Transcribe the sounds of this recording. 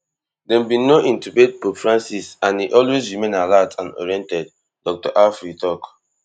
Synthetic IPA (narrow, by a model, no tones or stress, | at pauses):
dɛ̃mbĩnoʔĩntubet̚pofɹãnsisãniʔɔlwezɹimẽnalatʰãnɔ̰ɹiɛ̃ntɛd | dɔk̚tɔ̰ʔafɹitʰɔk